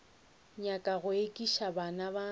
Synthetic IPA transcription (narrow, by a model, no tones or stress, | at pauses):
ɲakʼaɣʊekʼiʃabanaba